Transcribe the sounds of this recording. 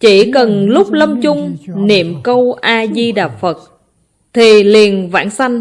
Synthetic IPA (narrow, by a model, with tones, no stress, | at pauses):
t͡ɕi˧˩kə˨˩nlʊ˦˥k͡p̚lə˧mt͡ɕʊ˧ŋ͡mnḭ˧˨əmkə˧wʔaː˧zi˧ɗaː˨˩p̚fə˨˩t̚ | t̪ʰi˨˩li˨˩ənva̰ː˧˥˩nsa˧jŋ̟